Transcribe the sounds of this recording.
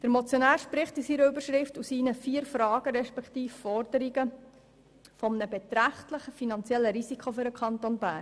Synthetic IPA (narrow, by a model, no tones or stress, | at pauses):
d̥əɾmɔt͡sjonæːɾʃpɾɪχtisiɾəybəɾʃɾɪftusiːnəfiːəɾfɾɑːɡ̥əɾɛʃpɛkχtiːffɔɾd̥əɾiɡə | fɔmənəbɛt̪ɾæχtləχəfinɑnt͡sɛlːəɾisikʰχofyɾəkʰχɑnt̪onbæː